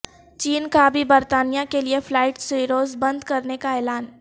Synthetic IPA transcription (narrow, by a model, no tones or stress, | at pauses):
t͡ʃiːnkabʱibɐɾt̪aːnijãkelieflaːɪʈseɾoːzbɐ̃nd̪kɐɾnekaɛːlaːn